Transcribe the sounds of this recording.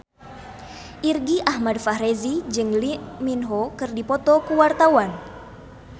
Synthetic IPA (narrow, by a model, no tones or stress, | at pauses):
ʔirɡiʔahmadfahɾezid͡ʒɨŋliminɦɔkɨrdipɔt̪ɔkuwart̪awan